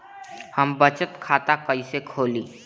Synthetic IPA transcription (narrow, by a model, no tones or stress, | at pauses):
həmbət͡ʃət̪kʰat̪akəɪsekʰoliː